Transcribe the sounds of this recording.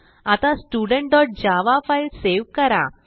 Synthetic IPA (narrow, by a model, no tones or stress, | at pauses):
at̪ãsʈuɖəɳʈ̚ɖɔʈ̚d͡ʑaʋafailseʋkəɾa̰